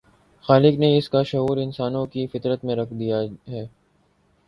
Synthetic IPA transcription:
xaːlɪkneɪskaʃɐɦuːɾɪnsaːnõkifɪt̪ɾət̪mẽɾɐkʰd̪ijaɦɛː

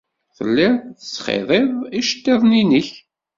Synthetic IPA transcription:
θə̰lːɪθət͡sːχḛðˤɪðˤiʃt̪ːɪðˤninəç

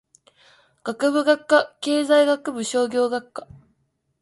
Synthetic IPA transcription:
ɡ̥akɯ̟bɯ̟ɡakːake̞ːzaiɡakɯ̟bɯ̟ɕo̞ːɡʲo̞ːɡakːḁ

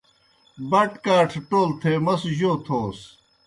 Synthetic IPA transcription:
bɐʈkaːʈʰʈoːlt̪ʰeːmɐsʑoːt̪ʰoːs

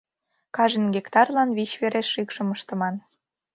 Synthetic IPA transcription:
kɑʒə̆nɡekt̪ɑrlɑnβit͡ɕβeɾeʃːikʃɤ̆məʃt̪ɤ̆mɑn

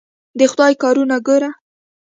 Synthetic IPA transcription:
d̪əxʊd̪ɑjkɑɾunaɡəɾa

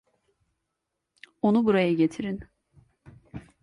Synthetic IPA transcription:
onubuɾajaɟe̞t̪ʰiɾin

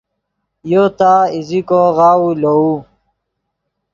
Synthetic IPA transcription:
jot̪aːizikoɣaːulou

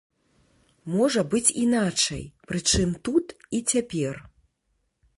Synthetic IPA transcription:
mɔʐɐbɨt͡sʲinat͡ʂɐ̰jpɾɨt͡ʂɨmt̪ut̪it͡sʲapʲɛr

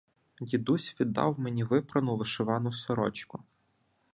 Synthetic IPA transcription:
jʲid̪usʲʋʲid̪ːɑ̰wmenʲiʋɪpɾɐnʊʋɪʃɪʋɑnʊsɔɾɔ̰t͡ʃkʊ

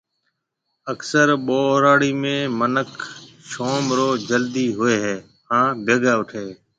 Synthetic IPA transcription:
əksəɾɓoːɾaːɽiːmẽːmənəkʰ | ʃoːmɾoːd͡ʒəld̪iːɦʊeːɦɛː | hãːbʱəɡaːʊʈʰeː

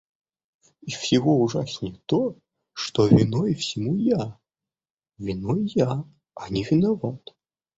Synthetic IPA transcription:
ifsʲɪɣɔuʐasʲnʲɛt̪ɔ | ʂt̪ɔvʲɪnɔjfsʲɪmuja | vʲinɔjja | ɐnʲɪvʲɪnɐvat̪

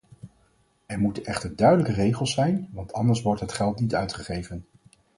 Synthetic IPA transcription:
ɛɹmutənɛχtəɹdœɥdələkərejχəlˠsɛjnʋɑntʰɑndəɹsʋɔɹtɦətχɛlˠtnitœɥtχəχejvən

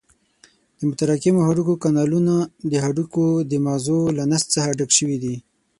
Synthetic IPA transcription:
d̪̥əmʊt̪aɾakimohaɖukokanɑlunad̪əɦaɖukod̪əmɑzolanast̪t͡səxaɖakʃəwid̪i

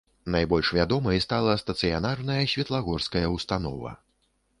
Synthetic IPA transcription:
najbɔlʲʂvʲad̪ɔmɐjst̪alˠɐst̪ɐt̪sɨjanarnɐjɐsʲvʲɛt̪lˠaɣɔrskɐjɐwst̪an̪ɔvɐ̰

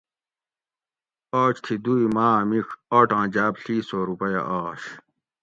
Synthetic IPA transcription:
oːt͡ɕt̪ʰid̪uimaːmixoːʈãːd͡ʑaːbɬiːsoːɾupɐjɐ̰ʔaːɕ

